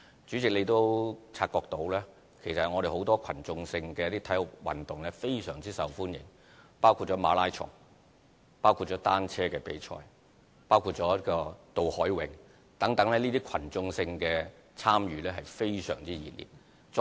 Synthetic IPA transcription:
t͡syː˨˥t͡sɪ˨k̚le˨˧jt̪o˥wt͡sʰaː˧t̚kɔː˧k̚t̪o˨˧˥wlɛː˥ | kʰe˨˩jsɐ˨ŋɔ˨˧ɾe˨jho˨˥wt̪ɔː˥kʰɐ̰˨˩nt͡sʊ˧ŋsɪ˧ŋkɛː˧jɐ˥t̪iː˥t̪ʰɐ˨˥jʊ˨k̚wɐ̰˨˩nt̪ʊ˨ŋlɛː˥fe˥jsœː˨˩ŋt͡siː˥sɐ̰˨˩wfuː˥njɪ̰˨˩ŋ | paː˥wkʰu˧t̚t͡ʃːɔː˨˥maː˨˧˥laː˥jt͡ʃʰʊ̰˨˩ŋ | paː˥wkʰu˧t̚t͡ʃːɔː˨˥t̪aː˥nt͡sʰɛː˥kɛː˧pe˨˥jt͡ʃʰɔ̰ː˧j | paː˥wkʰuː˧t̚t͡ʃɔː˨˦˥kɔː˧t̪o˨whɔː˨˥jwɪ˨˧ŋ | t̪ɐ˨˥ŋt̪ɐ˨˥ŋlɛː˥niː˥t̪iː˥kʰɐ˨˩nt͡sʊ˧ŋsɪ˧ŋkɛː˧ | t͡sʰaː˥mjyː˨˧lɛː˥ɦɐ˨jfe˥jsœ̰ː˨˩ŋt͡siː˥jiː˨˩t̚lḭː˨t̚ | t͡s

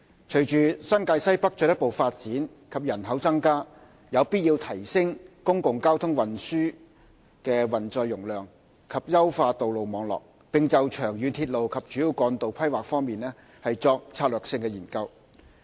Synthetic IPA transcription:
t͡ʃʰɵ˨˩jt͡ʃyː˨sɐ˥nkaː˧jsɐ˥jpɐ˥k̚t͡ʃœː˨˧˥jɐ˥t̚po˨wfaː˧t̚t͡siː˨˥n | kʰɐ˨p̚jɐ˨˩nɦɐ˨˥wt͡sɐ˥ŋkaː˥ | jɐ˨˧wpiː˥t̚jiː˧wt̪ʰɐ˨˩jsɪ˥ŋkʊ˥ŋkʊ˨ŋkaː˥wt̪ʰʊ˥ŋwɐ˨˩nsyː˥ | kɛː˧wɐ˨˩nt͡sɔː˧jːʊ˨˩ŋlœː˨ŋ | kʰɐ˨p̚jɐ˥wfaː˧t̪o˨wlo˨wmɔː˨˧ŋlɔ̰ː˨k̚ | pɪ˨ŋt͡sɐ˨wt͡ʃʰœː˨˩ŋjyː˨˧nt̪ʰiː˧t̚lo˨wkʰɐ˨p̚t͡ʃyː˨˥jiː˨˧wkɔː˨˧nt̪o˨wpʰɐ˥jwaː˨k̚fɔː˥ŋmiː˨nɛː˥ | hɐ˨jt͡sɔː˧k̚t͡sʰaː˧t̚lœː˨ksɪ˧ŋkɛː˧jiː˨˩nkɐ˧w

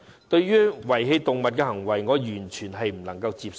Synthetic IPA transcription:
t̪ɵ˧ɥɥyː˥wɐ˨˩jɦe˧jt̪ʊ˨ŋmɐ˨t̚kɛː˧hɐ˨˩ŋwɐ˨˩jŋɔː˨˧jyː˨˩nt͡ʃʰyː˨˩nɦɐ˨jm̩˨˩lɐ˨˩ŋkɐ˧wt͡siː˧p̚s

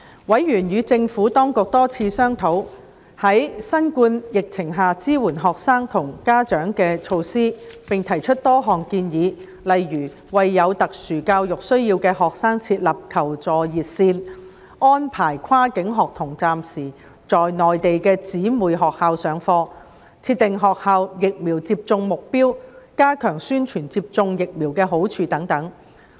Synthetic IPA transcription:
wɐ˨˥jːyː˨˩njyː˨˧t͡sɪ˧ŋfuː˨˥t̪ɔː˥ŋkʊ˨k̚t̪ɔː˥t͡sʰiː˧sœː˥ŋt̪ʰo˨˥w | hɐ˨˥jsɐ˥nkuː˧njɪ˨k̚t͡sʰɪ˨˩ŋɦaː˨t͡siː˥wuː˨˩nɦɔː˨k̚saː˥ŋt̪ʰʊ˨˩ŋkaː˥t͡ʃœː˨˥ŋkɛː˧t͡sʰo˧wsiː˥pɪ˨ŋt̪ʰɐ˨˩jt͡ʃʰɵ˥t̚t̪ɔː˥ɦɔː˨ŋkiː˧njiː˨˧ | lɐ˨jɥyː˨˩ | wɐ˨jːɐ˨˧wt̪ɐ˨k̚syː˨˩kaː˧wjʊ˨k̚sɵ˥ɥjiː˧wkɛː˧ɦɔː˨k̚saː˥ŋt͡sʰiː˧t̚lɐ˨p̚kʰɐ˨˩wt͡sɔː˨˩jiː˨˩t̚siː˧n | ʔɔː˥npʰaː˨˩jkʷʰaː˥kɪ˨˥ŋɦɔː˨k̚t̪ʰʊ˨˩ŋt͡saː˨msiː˨˩ | t͡sɔː˨jnɔː˨jt̪e˨jkɛː˧t͡siː˨˥muː˨jɦɔː˨k̚haː˨˧wsœː˨˧ŋfɔː˧ | t͡sʰiː˧t̪̚ɪ˨ŋɦɔː˨k̚haː˧wjɪ˨k̚miː˨˩wt͡siː˧p̚t͡sʊ˧ŋmʊ˨k̚piː˥wkaː˥kʰœː˨˩ŋsyː˥nt͡ʃʰyː˨˩nt͡siː˧p̚t͡sʊ˧ŋjɪ˨k̚mi˨˩wkɛː˧ɦo˨˥wt͡ʃʰyː˧t̪ɐ˨˥ŋt̪ɐ˨˥ŋ

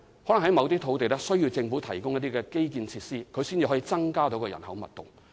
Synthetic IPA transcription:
hɔː˨˥lŋɦɐ˨˥jmɐ˨˧wt̪iː˥t̪ʰo˨˧wt̪e˨jlɛ˥sɵ˥ɥji˧wt͡sɪ˧ŋfuː˨˥t̪ʰɐ˨˩jkʊ˥ŋjɐ˥t̪iː˥kɛː˧ke˥jkiː˧nt͡sʰiː˧tsiː˥kʰɵ˨˧ɥsiː˥nt͡si˧hɔː˨˥jiː˧t͡sɐ˥ŋkaː˥t̪o˨˥wkɔː˧jɐ˨˩nhɐ˨˥wmɐ̰˨t̚t̪ʊ̰˨ŋ

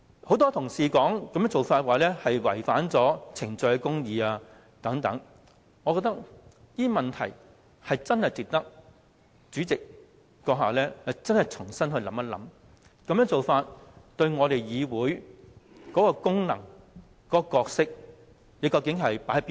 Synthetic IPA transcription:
ho˨˥wt̪ɔː˥t̪ʰʊ˨˩ŋsiː˨˩kɔː˨˥ŋkɐ˨˧mœː˥ŋt͡so˨wfaː˧t̚waː˨lɛː˥hɐ˨jwɐ̰˨˩jfaː˨˥nt͡sɔː˨˥t͡sʰɪ˨˩ŋt͡sɵ˧kɛ˧kʊ˥ŋjiː˨˧aː˧ | t̪ɐ˨˥ŋt̪ɐ˨˥ŋ | ŋɔː˨˧kɔː˧k̚t̪ɐ˥k̚ | jiː˥mɐ˨nt̪ʰɐ̰˨˩j | hɐ˨jt͡sɐ˥nhɐ˨jt͡sɪ˨k̚t̪ɐ˥k̚ | t͡ʃyː˨˥t͡sɪ˨k̚ | kɔː˧ɦaː˨˩lɛː˥hɐ˨jt͡sɐ˥nhɐ˨jt͡sʰʊ˨˩ŋsɐ˥nhɵ˧lɐ̰˨˥mɐ˥lɐ̰˨˥m | kɐ˨˧mjœː˧˥ŋt͡so˨wfaː˧t̚t̪ɵ˧ɥŋɔː˨˧ɾe˨jjiː˨˧wuː˨˥j | kɔː˨˥kɔː˧kʊ˥ŋnɐ˨˩ŋ | kɔː˨˥˧kɔː˧k̚sɪ˥k̚ | jiː˨˥kɐ˧wkɪ˨˥ŋɦɐ˨jpaː˨˥ɐ˨˥pi˥

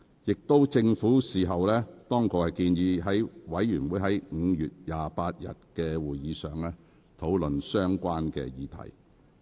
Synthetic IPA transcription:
jɪ˨k̚t̪o˥wt͡sɪ˧ŋfuː˨˥siː˨˩ɦɐ˨wlɛː˥t̪ɔː˥ŋkʰɔː˧khɐ˨˩jkiː˧nɥiː˧ɦɐ˨˥jwɐ˨˥jjyː˨˩nwuː˨˥jɦɐ˨˥jŋ̩ː˨˧jyː˨t̚jaː˨paː˧t̚jɐ̰˨t̚kɛː˧wuː˨˩jjiː˨˧sœ̰ː˨˩ŋlɛː˥ | t̪ʰo˨˥wlɵ˨nsœː˥ŋkʷaː˥nkɛ̰ː˧jiː˨˥t̪ʰɐ̰˨˩j

